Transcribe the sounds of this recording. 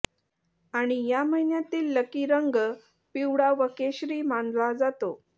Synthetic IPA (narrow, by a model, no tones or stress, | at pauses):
aɽ̃ijam̤əinjat̪iːlːəkiɾəŋɡ | piwɽaʋəkeɕɾiːmanlad͡zat̪o